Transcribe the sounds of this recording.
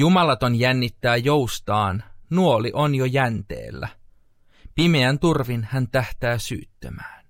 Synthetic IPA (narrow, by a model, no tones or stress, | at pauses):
jumɑlɑt̪o̞njænːit̪ːæːjo̞wst̪ɑːnnuoliʔonjojænt̪ḛːlːæ̰ | pimeænt̪urʋinhænt̪æht̪æːsy̰ːt̪ːømæːn